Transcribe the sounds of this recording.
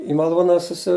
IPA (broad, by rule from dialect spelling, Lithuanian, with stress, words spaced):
ɪ mɐˈlˠuːnɐ sʊˈsʲɪ